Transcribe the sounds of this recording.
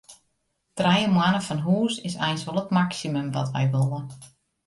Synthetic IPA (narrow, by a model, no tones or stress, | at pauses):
trɛjəmwanəfɔnɦuːsɪsɛjnsʋolˠətmaksiməmʋɔ̰tʋɛ̰jʋolˠən